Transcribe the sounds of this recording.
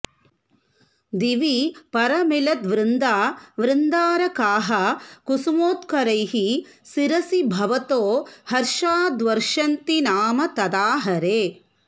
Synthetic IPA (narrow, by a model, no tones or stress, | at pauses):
d̪iʋipɐɾɐmilɐd̪ʋɾɪnd̪aːʋɾɪnd̪aːɾɐkaːɦɐkusumoːt̪kɐɾɐjɦi | siɾɐsibʱɐʋɐt̪oːhɐɾʃaːd̪ʋɐɾʃɐnt̪inaːmɐt̪ɐd̪aːɦɐɾeː